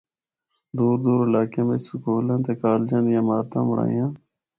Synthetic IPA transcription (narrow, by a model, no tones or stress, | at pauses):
d̪uːɾd̪uːɾɪlaːkãːmet͡ʃsukoːlãːt̪eːkaːld͡ʒãːnd̪jãːmaːɾt̪ã̰ːmʊɽa̰ːjãː